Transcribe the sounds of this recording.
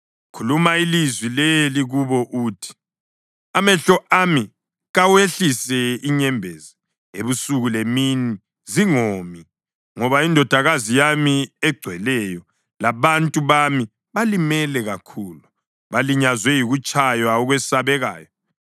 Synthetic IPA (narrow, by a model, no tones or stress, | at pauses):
kʰulumailizwileliɣuβɔʔuːtʰi̥ | amɛɬɔʔami | ɣaweɬisɛiɲɛmbʱɛza | eβusuɣulemini | ziŋomi | ŋɔβaindʱɔd̥ʱaɣazijamiɛɡ͡ǀʱwɛlɛjɔ | laβantʼuβami | βalimɛlɛɣakʰuːlu | βaliɲazwɛjiɣut͡ʃʼajwaɔɣwesaβɛɣa̰ːjɔ